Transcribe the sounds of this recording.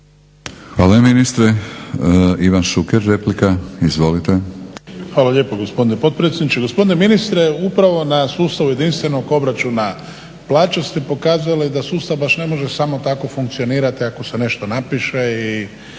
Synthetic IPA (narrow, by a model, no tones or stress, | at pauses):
xʋaːlajaminist̪ɾe | iʋanʃukeɾːeplikaizʋolit̪exʋaːlaʎe̞ːpoɡo̞spo̞d̪inepo̞d̪̚pɾe̞t̪sʲjed̪nit͡ʃeɡo̞spo̞d̪ineminist̪ɾeupɾaʋo̞nasuːst̪aʋuje̞d̪inst̪ʋe̞no̞ɡo̞bɾat͡ʃuna | plˠaːt͡ʃost̪ipo̞kaːzaaled̪asuːst̪aʋbaʃne̞mo̞ʒe̞samo̞t̪ako̞fuŋk̚t̪sio̞niːɾat̪iako̞se̞ne̞ʃt̪o̞napiʃei